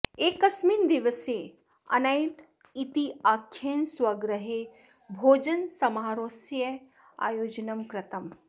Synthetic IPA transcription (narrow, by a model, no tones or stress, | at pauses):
eːkɐsmiːnd̪iʋɐseː | ɐ̰nɐjʈ | it̪iaːkʰːjeːnswɐɡɾɐɦe | bʱoːd͡ʒɐnsɐmaːɾoːsje | a̰ːjoːd͡ʒɐnɐmkɾɐt̪ɐm